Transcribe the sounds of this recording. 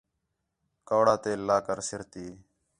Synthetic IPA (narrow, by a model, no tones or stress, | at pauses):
kaːɽaːt̪eːlaːkəɾsɪɾt̪iː